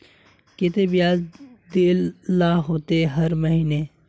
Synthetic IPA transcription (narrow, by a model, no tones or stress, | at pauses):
ket̪ebijaːzd̪eːlːaːɦoːt̪eɦɐɾmɐɦiːneː